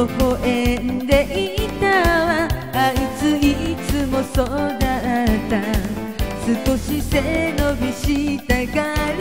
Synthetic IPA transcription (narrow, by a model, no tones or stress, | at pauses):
okoʔend̪e̞ʔit̪aβa | ait͡sɨit͡sɨmosod̪aat̪a | sɨkoɕisenobʲiɕit̪aɡaɾ